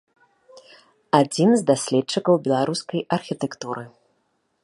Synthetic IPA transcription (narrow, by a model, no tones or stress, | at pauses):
ad͡zʲinzd̪asʲlʲɛtt͡ʂːɨkɐwbʲɛlˠaɾuskɐjɐrxʲit̪ɛkt̪uɾɨ